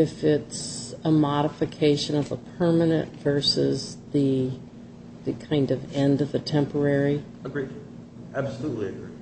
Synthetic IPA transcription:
ɨfɪtsəmɑɾəfɨkʰeɪʃɨ̃nʌvəpʰɜ˞mɨnɨ̰̃ntv̥ɜ˞sɪzðɨ | ðɨkʰãɪ̃ndʌvɛ̃ndʌvðɨtʰɛ̃mpə˞ɛɹi | əɡɹi | ʔæb̥səlutˡliɨɡɹi

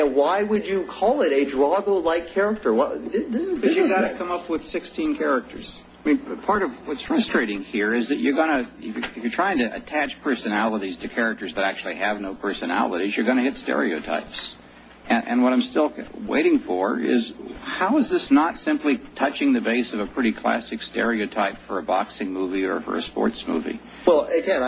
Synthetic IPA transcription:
waɪwɨd͡ʒɨkʰɔlˠɪɾɨdɹɑɡoʊlaɪkkʰɛɹɨk̚tə˞wʌdɪdʌjɨɡɑɾɨkʰʌ̃mʌpwɨð̥sɪkstʰĩnkʰɛɹɨk̚tʰə̰˞z̥amĩnpʰɑɹɾʌvwʌtsfɹʌstɹ̥eɪɾɪ̃ŋhiɹɪzðɨt͡ʃə˞ɡʌɾ̃ɨɪfjɨfjə˞tʰɹ̥aɪɪ̃ŋtɨʔɨ̰tʰæt͡ʃpʰɜ˞sɨnælˠəɾiz̥tʰɨkʰɛɹɨk̚tə˞zðɨɾæk̚t͡ʃʉl̩ˠiɨvnoʊpʰɜ˞sɨnæ̰lˠəɾizjə˞ɡʌnɨhɪtstɛ̰ɹio̰ʊtʰa̰ɪps | ɨ̃ʔɨ̰̃nwʌɾãɪ̃mstɪlˠwḛɪɾɪ̃ŋfə˞ɪ̰zhaʊəzðɪsnətsɪ̃mplitʰʌt͡ʃɪ̃ŋðɨbeɪsʌvəpʰɹ̥ɪɾikʰl̥æ̰sɨkstɛ̰ɹioʊtʰaɪpfə˞ɨbɑksɪ̃ŋmuviə̰˞fə̰˞ɨ̰spɔ̰ɹtsmṵvḭ | wɛlˠkæ

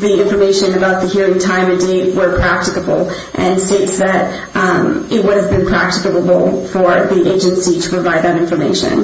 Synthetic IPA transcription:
ðiɪ̃ɱfə˞meɪʃɨ̃nɨbaʊt̪̚ðɨhiɹɪ̃ŋtʰãɪ̃mɨ̃ndeɪt̚wə˞pʰɹ̥æk̚tɨkəbl̩ˠ | ʔɨ̃nsteɪtsðɨɾ | ɪt̚wʊɾɨvbɨ̃npʰɹ̥æk̚tɨkəbl̩ˠfə˞ðiʔeɪd͡ʒɨ̃nsiɾə̥pʰɹ̥əvaɪd̪̚ðɨɾɪ̃ɱfə˞mḛɪʃɨ̰̃n

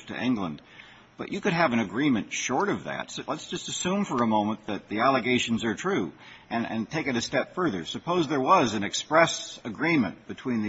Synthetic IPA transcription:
tʰɨ̰ʔɪ̰̃ŋɡlə̃n | b̥ʌ̰t͡ʃɨkɨɾɨvɨ̃nɨɡɹĩmɨ̃ntʃɔɹɾʌvðæ̰tslətsd̥ʒ̥ʌstɨsʉ̃ɱfə˞əmõʊ̃mə̃nðɨt̪̚ðiælˠəɡeɪʃn̩zə˞tʰɹ̥ʉɨ̃nɨ̰̃ntʰeɪkɨɾɨstɛpfɜ˞ðə̰˞sɨpʰoʊzðə˞wʌzɨ̃nɨkspɹɛsɨɡɹĩmɨ̰̃nb̥ɨtʰw̥ĩnðɨ

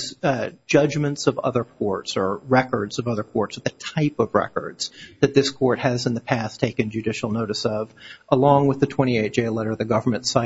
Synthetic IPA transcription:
zd̥d͡ʒ̥ʌd͡ʒmɨ̃ntsʌvʌ̰ðə˞kʰɔɹtsə˞ɹɛkə˞dz̥ʌvʌðə˞kʰɔɹtsðɨtʰaɪpʌvɹɛ̰kə̰˞dz̥ðɨt̪̚ðɪskʰɔɹt̚hɨzɨ̃nðɨpʰæstʰeɪkɨ̃nd͡ʒʉdɪʃl̩ˠnoʊɾɨsʌvʔəlɔ̃ŋwəðɨtʰw̥ɛ̃ɾ̃ieɪt̚ʒ̥eɪlɛɾə˞ðɨɡʌvə˞mɨ̃ntsaɪ

